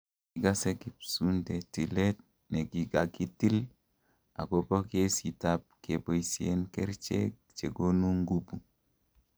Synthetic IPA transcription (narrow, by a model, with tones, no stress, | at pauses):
i˨ɡa˦se˦ki˨psu˦nde˨ti˨le˦t̚ | ne˨ɡi˨ɡa˨ɡi˦ti˦l | a̰˨ɡo˦bo˦ke˦si˨ta˦p̚ke˨bo˨jsi˨e˦nke˦ɾt͡ʃḛ˦k | t͡ʃe˨ɡo˦nu˦ŋɡu˦bu˨